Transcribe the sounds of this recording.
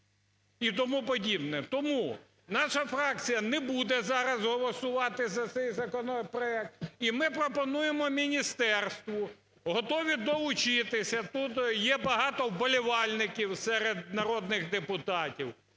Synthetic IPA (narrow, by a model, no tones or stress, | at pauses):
it̪ɔmupɔdʲibnɛt̪ɔmu | nɑʃɐfɾɑk̚t͡sʲijɐnɛbud̪ɛzɑɾɐzɦɔlˠɔsʊʋɑt̪ɪzɐt̪sɛjzɐkɔnɔpɾɔɛk̚t̪imɪpɾɔpɔnujemɔmʲinʲist̪ɛrst̪ʋʊ | ɦɔt̪ɔʋʲid̪ɔʋʊt͡ʃɪt̪ɪsʲɐt̪ut̪jɛbɐɦɑt̪ɔwbɔlʲiʋɑlʲnɪkʲiwsɛɾed̪nɐɾɔd̪nɪxd̪epʊt̪ɑtʲiw